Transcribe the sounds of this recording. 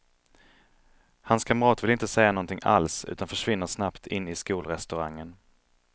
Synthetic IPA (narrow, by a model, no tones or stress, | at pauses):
hanskʰamɾɑːt̪vɪlɪnt̪əsɛjːanɔnt̪ʰɪŋʔa̰lsʉ̟̰ːt̪anfœʂvɪnːəʂnapt̪ʰɪnːɪskuːlɾɛst̪ɵɾaŋːən